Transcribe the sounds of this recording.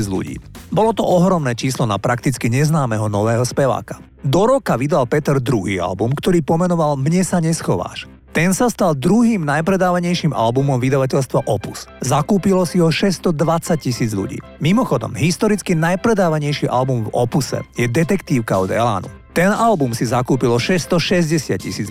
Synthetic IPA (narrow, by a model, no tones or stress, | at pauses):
d͡zʎṵɟḭːbɔlɔt̪ɔʔɔɦɾɔmnɛːt͡ʃiːslɔna̰pɾakt̪it͡skiɲɛznaːmɛɦɔnɔʋɛːɦɔspɛʋa̰ːkḁ | d̪ɔɾɔkaʋid̪alpɛt̪ɛɾd̪ɾuɦḭːa̰lbumkt̪ɔɾiːpɔmɛnɔʋalmɲɛsaɲɛsxɔʋa̰ːʃ | t̪ɛnsast̪alˠd̪ɾuɦiːmnajpɾɛd̪aːʋaɲɛjʃimʔa̰lbumɔmʋid̪aʋacɛʎst̪ʋaʔɔpuszakuːpilɔsiɦɔʃɛst̪ɔd̪ʋat͡sac̚cisiːd͡zʎṵɟḭːmimɔxɔd̪ɔ̰mɦist̪ɔɾit͡skinajpɾɛd̪aːʋaɲɛjʃiʔa̰lbumvɔ̰pusɛ̰jɛd̪ɛt̪ɛkt̪iːʊkaɔd̪ɛ̰la̰ːnṵt̪ɛnalbumsizakuːpilɔʃɛst̪ɔʃɛzɟɛsɪa̰t̪̚cḭsiːd͡z